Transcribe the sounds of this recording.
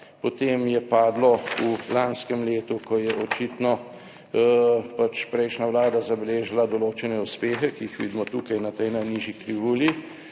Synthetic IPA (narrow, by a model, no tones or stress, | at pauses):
pɔt̪eːmjɛpaːd̪lɔulanskɛmleːt̪ukɔjɛʔɔt͡ʃiːt̪nɔ | pat͡ʃpɾɛjʃnaʋlaːd̪azabɛleːʒilad̪ɔloːt͡ʃɛnɛuspeːxɛkiixʋḭːd̪mɔt̪uːkajnat̪ɛjnajniːʒikɾiʋuːli